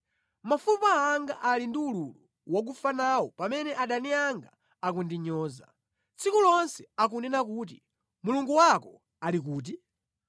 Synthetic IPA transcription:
mafupaːŋɡaʔalindiululu | wak̬ufanawɔpamɛnɛʔaɗaniaŋɡa | ak̬undiɲɔːza̰ | t͡sʰikulɔnsɛak̬unɛnakuːt̬i | muluŋɡuwakɔ | alik̬uːt̬i

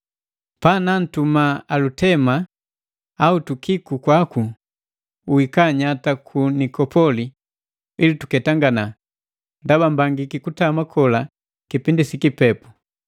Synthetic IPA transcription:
panan̩tumaalutɛma | autukikukwaku | uwikaɲatakʰunikɔpɔli | ilitukɛtaŋɡana | ndabambaŋɡikikutamakʰɔla | kipindisikipɛpu̥

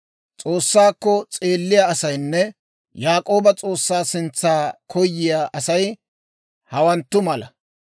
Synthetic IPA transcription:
t͡sʼoːsːaːkːɔt͡sʼe̞ːlːɪjaɐsɐjnːɛ | jaːkʼo̞ːbɐt͡sʼoːsːaːsɪnt͡sːaːkʰɔjːɪjaʔɐsɐj | hɐwɐnt̪ːʊmɐlɐ

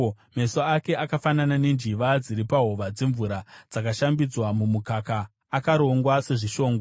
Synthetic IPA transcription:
me̞soake̞akafananane̞nd͡ʒiʋad͡ziɾipaɦoʋad͡ze̞ɱvuɾad͡zakaʃambid͡zwamumukakaː | kaɾo̞ŋɡwase̞ʐiʃo̞ːŋɡo

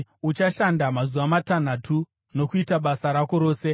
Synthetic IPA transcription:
ut͡ʃaʃandamazuʋamatan̤atʰu | no̞kuitaɓasaɾako̞ɾo̞ːse̞

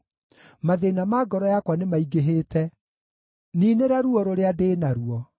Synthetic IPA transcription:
maðenamaːɡɔɾɔjakwanemaiɡeɦeːtɛ | niːneɾaɾuɔɾoɾeadenaɾuɔ

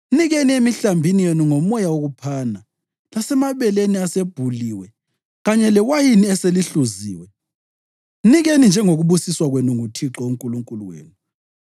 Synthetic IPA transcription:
niɣeniemiɬambʱinijenuŋɔmɔjawoɣupʰaːna | lasɛmaβɛleniaseb̥ʱuliwɛ | ɣaɲɛlɛwajiniɛseliɬuzḭːwɛ | niɣenind͡ʒʱɛŋoɣuβusiswaɣwenuŋutʰiǁɔuŋkʼuluŋkʼuluwḛːnu

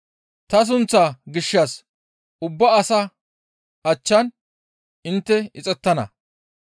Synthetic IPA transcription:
t̪ɐs̬ʊnt͡sːaɡɪʃːɐs | ʊbːɐːsɐ | ɐt͡ʃːɐn | ɪnt̪ːɛɪt͡sʼɛt̪ːɐnɐ̰

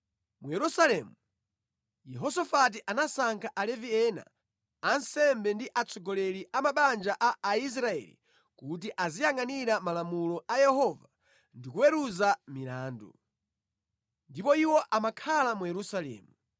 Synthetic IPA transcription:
mujɛɾusalɛmu | jɛɦɔsɔfat̬iʔanasaŋkʰaʔalɛviɛna̰ː | nsɛmbɛndiʔat͡sʰɔɡɔlɛɾiʔamaɓand͡ʒaʔaːis̬ɾaɛ̰lḭ | kut̬iʔazijaŋaniɾamalamulɔajɛhɔva | ndikuwɛɾuzamilaːndṵ | ndipɔiwɔʔamakʰalamujɛɾusalɛ̰ːmu

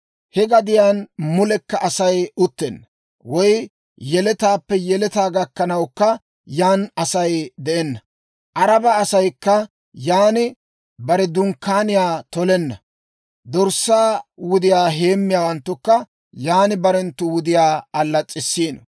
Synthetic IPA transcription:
hɛɡɐd̪ɪjaːnmʊlɛkːɐʔɐsɐjʊt̪ːɛnːɐ | wɔj | jɛlɛt̪aːpːɛjɛlɛt̪aːɡɐkːɐnɐwkːɐ | jaːnɐsɐjd̪ɛʔɛnːɐ | ʔɐɾɐbɐːsɐjkːɐ | jaːnɪ | bɐɾɛd̪ʊŋkːaːnɪjaːt̪ɔlɛnːɐ | d̪ɔɾsːaːwʊd̪ɪjaːɦe̞ːmːɪjaːwɐnt̪ːʊkːɐ | jaːnɪbɐɾɛnt̪ːʊwʊd̪ɪjaːɐlːɐt͡sʼːɪsːiːnɔ

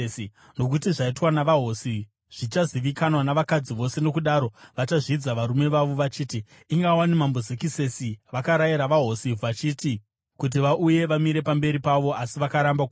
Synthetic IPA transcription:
no̞k̬utiʐaitwanaʋaɦo̞si | ʐ̥it͡ʃaziʋikanwanaʋakad͡ziʋo̞se̞no̞kuɗaɾo̞ʋat͡ʃaʐid͡zaʋaɾume̞ʋaʋo̞ʋat͡ʃiːti | iŋɡawanimambozekise̞siʋakaɾajiɾaʋaɦo̞siʋat͡ʃiːti | kut̬iʋaʔuje̞ʋamiɾe̞pambe̞ɾipaʋo̞ʔasiʋakaɾamba

